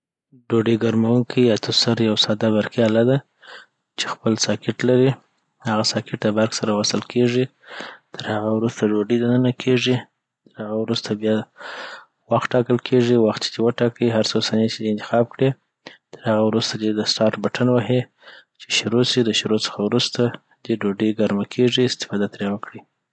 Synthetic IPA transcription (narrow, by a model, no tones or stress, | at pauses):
ɖoɖiɡaɾmawunkʰit̪ʰʊsaɾjawsɑd̪aβaɾkialad̪a | t͡ʃe̥xpəlsɑkɪʈlaɾi | haɣasɑkɪʈd̪əbaɾksaɾawasəlkʰeʐi | t̪ʰəɾhaɣawɾust̪aɖoɖid̪anənakʰeʐi | t̪əɾhaɣawɾust̪abjɑ | waxʈɑkəlkʰeʐiwaxt̪̚t͡ʃe̥d̪ewəʈɑkəiɦaɾt͡sosanet͡ʃed̪eɪnt̪ɪ̥xɑb̚kɽi | t̪əɾhaɣawɾust̪ad̪ed̪əsʈɑɾʈbaʈʰanwaɦi | t͡ʃe̥ʃɾosid̪əʃɾot͡sə̥xawɾust̪a | d̪eɖoɖiɡaɾmakʰeʐiɪst̪ɪ̥fɑd̪at̪ɾewakɽi